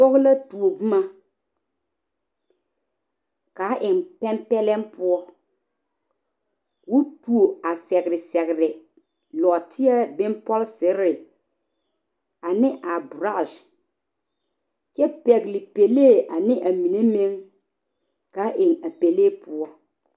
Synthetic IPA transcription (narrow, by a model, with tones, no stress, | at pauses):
pɔ˦ɣla˦tu˨o˨bu˦ma˦ | ka˨˦ʔɪ˨ŋpɛ˦mpɛ˦lɛ˦ŋpʊ˦ɔ˦ | wu˦tu˨o˨a˨sɛ˨ɡɾɪ˨sɛ˨ɣɪ˨ɾɪ˨ | lɔ˨tʰɪ˦ɛ˦bɪ̃˦mpɔ˦lsɪ˨˦ɾɪ˨ | a˨nɪ̃˦ʔa˨bɾa˦˨ʃ | kɛ˦pɛ˨ɡlɪ˨pe˨leː˦˨ʔa˨nɪ̃˦ʔa˨mi˨ne˦mẽ˦ŋ | ka˨˦ʔɪ˨ŋa˨pe˨leː˦pʰʊ˦ɔ˦